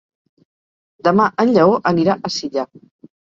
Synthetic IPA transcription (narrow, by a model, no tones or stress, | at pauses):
d̪əmaʔənʎəoʔəniɾaʔəsiʎa